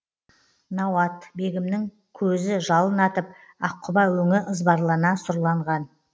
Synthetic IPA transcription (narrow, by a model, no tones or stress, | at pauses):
nɑwɑt̪be̞ɡʲɪmnɪŋ | kʲʰɵzɪʒɑlˠənɑt̪əp̚ | ɑqʰːʊbɑwɵŋɪʔəzbɑɾlˠɑnɑsʊɾlˠɑɴʁɑn